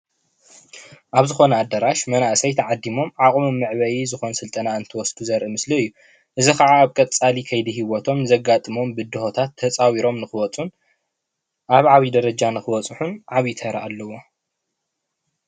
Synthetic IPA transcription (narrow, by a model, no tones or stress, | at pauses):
ʔaβzɨxo̞nɐad̪ɐɾaʃmɐnaʔsɐjt̪ʰɐʕad̪ːimo̞mʕaχʼmumːɨʕβɐjizɨxo̞nsɨlt̪ʼɐnaɨnt̪ʰɐwɔsd̪uzɐɾʔɨmɨsliɨjːu | ʔɨzixɐʕaːβkʼɐt͡sʼalikʰɐjd̪iɦiβot̪ʰo̞mnɨzɐɡat̪ʼɨmo̞mbɨd̪ɨhot̪ʰat̪ʰːɐt͡sʼawiɾo̞mnɨxɨwɔt͡sʼun | ʔaβʕaβid̪ɐɾɐd͡ʒanɨxɨwɔt͡sʼħunʕaβit̪ʰɐɾɐ̰ʔalːɐwo̞